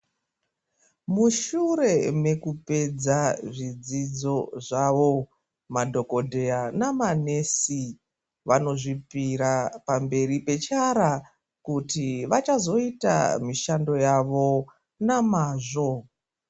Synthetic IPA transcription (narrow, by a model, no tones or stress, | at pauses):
muʃure̞me̞kupe̞d͡zaʐid͡zid͡zo̞ʐaʋo̞ | madʱo̞ko̞dʱe̞anamane̞si | ʋano̞ʐipiɾapambe̞ripe̞t͡ʃaɾa | kutiʋat͡ʃazo̞ita̰miʃando̞jaʋo̞ | namaːʐo̞